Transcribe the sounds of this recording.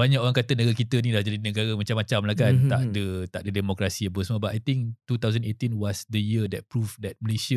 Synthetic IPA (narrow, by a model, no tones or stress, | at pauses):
baɲakoɾaŋkat̪ənəɡaɾkit̪ənĩlahd͡ʒadinə̃ɡaɾəmat͡ʃamat͡ʃamlahkant̪aʔdət̪aʔ̚dədɛmokɾasiapəsmə̃batʔajt̪iŋt̪ut̪awzənet̪inwɔsdəjiədɛt̚pɾufdɛt̚məlesə